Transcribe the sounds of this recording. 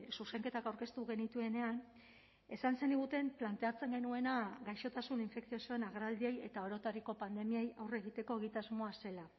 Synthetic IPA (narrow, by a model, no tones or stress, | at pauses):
suse̞ŋke̞t̪akawɾke̞st̪uɣe̞nit̪ue̞ne̞an | e̞sanse̞niɣ̞ut̪e̞mplant̪e̞at͡se̞ŋɡe̞nue̞naɡajʃo̞t̪asuniɱfe̞ksio̞soe̞naɣ̞ɾald̪ieje̞t̪ao̞ɾo̞t̪aɾiko̞pand̪e̞miajawre̞ɣ̞it̪e̞ko̞eɣ̞it̪azmo̞ase̞la